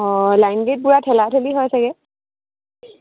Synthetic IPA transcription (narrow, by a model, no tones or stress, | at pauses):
ɔlajnɡet̚buɹatʰɛlatʰeliɦɔjsɛɡɛ